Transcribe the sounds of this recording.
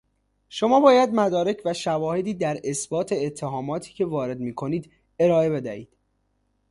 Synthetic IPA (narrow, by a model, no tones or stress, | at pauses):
ʃo̞mɒːbɒːjæd̪mæd̪ɒːɾe̞cʰvæʃævɒːhe̞d̪iːd̪æɾe̞sbɒːt̪ʰe̞ːt̪ʰːe̞ɦɒːmɒːt̪ʰi̥ːcʰe̞vɒːɾe̞d̪miːkʰo̞niːd̪ | e̞ɾɒːe̞be̞d̪æhḭːd̪̥